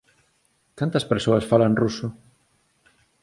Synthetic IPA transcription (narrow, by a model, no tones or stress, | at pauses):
kant̪ɐspeɾsoɐsfalanrusʊ